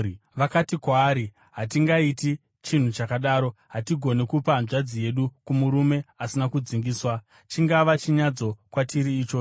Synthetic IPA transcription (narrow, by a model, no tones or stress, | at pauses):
ʋakatikwaːɾi | ɦatiŋɡaiti | t͡ʃin̤ut͡ʃakaɗaːɾo̞ɦatiɡʱo̞nekupanʐad͡zije̞ɗukumuɾume̞asinakud͡ziŋɡiːswa | t͡ʃiŋɡaʋat͡ʃiɲad͡zo̞kwatʰiɾiːt͡ʃoː